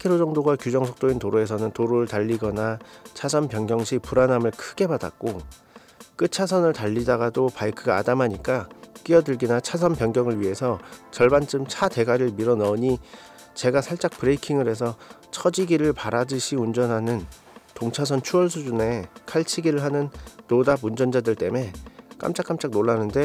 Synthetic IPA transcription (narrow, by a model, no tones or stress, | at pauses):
kʰeɾod͡ʑʌŋdoɡakjud͡ʑʌŋsʰʌk̚t͈ointoɾoe̞sʰʌnɯntoɾoɾɯɭtaʎːiɡʌnat͡ɕʰasʰʌmpjʌŋɡjʌŋɕʰipuɾanɦamɯɭkʰɯɡe̞pada̰k̚k͈o | k͈ɯt͡ɕʰasʰʌnɯɭtaʎːidaɡadopaikʰɯɡa̰ːdamɦaɲik͈ak͈iʌdɯɭɡinat͡ɕʰas̬ʰʌmpjʌŋɡjʌŋɯɭɥiɦe̞sʰʌt͡ɕʌɭbant͡ɕ͈ɯmt͡ɕʰate̞ɡaɾɯɭmiɾʌnʌɲi | t͡ɕe̞ɡasʰaɭt͡ɕ͈ak̚pɯɾe̞ikʰiŋɯɾe̞sʰʌt͡ɕʰʌd͡ʑiɡiɾɯɭpaɾad͡ʑɯɕʰiund͡ʑʌnɦanɯn | toŋt͡ɕʰas̬ʰʌnt͡ɕʰuʌɭs̬ʰud͡ʑune̞kʰaɭt͡ɕʰiɡiɾɯɭɦanɯnːodabund͡ʑʌnd͡ʑadɯɭt͈e̞me̞k͈a̰mt͡ɕ͈ak͈amt͡ɕ͈ak̚noɭːanɯnde̞